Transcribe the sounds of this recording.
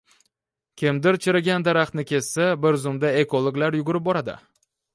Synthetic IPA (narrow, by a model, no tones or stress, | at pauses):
kʲʰɪmd̪ɪɾt͡ʃʰɪɾaɡʲand̪aɾaχt̪nɪkʲʰe̞ssabɪɾzʊmd̪ae̞kolˠoɡlaɾjʊɡʊɾɪp̚bɒɾad̪ɪ̰